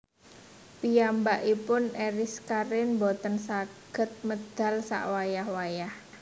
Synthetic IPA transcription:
pijambaʔipʊneɾɪskaɾɪnbɔt̪ənsaɡ̥ə̤t̪̚məd̪̥a̤lsa̰ʔwajahwajah

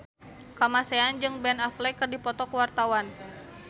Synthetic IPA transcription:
kamasɛand͡ʒɨŋbɛnaflɛkɨrdipɔt̪ɔkəwart̪awan

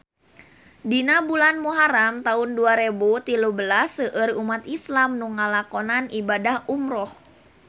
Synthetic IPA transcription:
dinabulanmuɦaɾamt̪aʊnduaɾebut̪ilubəlasəʔərumat̪islamnuŋalakɔnanibadahumɾɔh

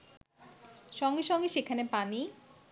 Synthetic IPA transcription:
ʃɔŋɡeʃɔŋɡeʃekʰanepani

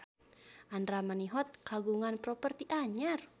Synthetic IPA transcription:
ʔandɾamaniɦɔt̪̚kaɡuŋanpɾɔpərt̪iʔaɲar

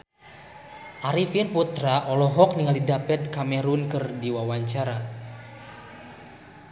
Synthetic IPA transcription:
ʔaɾifinput̪ɾaʔɔlɔɦɔk̚niŋalidapɛt̪̚kamɛɾunkərdiwawaɲt͡ʃaɾa

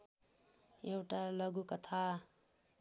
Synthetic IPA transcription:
ewʈalʌɡukʌt̪ʰa

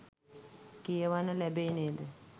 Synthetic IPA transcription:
kijəʋanəlæbeneːd̪ə

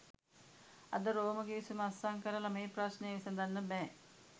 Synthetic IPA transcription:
ɐ̰d̪ɐɾoːmɐɡeːsumɐsaŋkɐɾɐlɐmeːpɾaːsneːsɐnd̪ɐnːɐbɛː

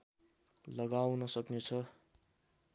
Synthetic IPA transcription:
lʌɡawnʌsʌknet͡sʰʌ

